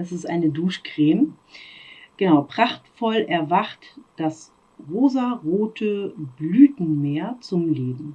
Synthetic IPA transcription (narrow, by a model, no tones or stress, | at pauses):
ʔɛsɪstʔa̰ɪnəduːʃkʁ̥eːm | ɡ̥ənaʊpʁ̥aχtfɔlʔɛɐvaχtd̥as | ʁoːzaʁoːtʰəblyːtn̩meːɐt͡sʊmleːbm̩